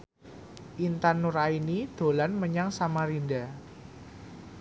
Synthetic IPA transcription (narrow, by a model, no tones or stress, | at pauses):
ʔint̪anːuɾainid̪̥o̤lanməɲaŋsamaɾinda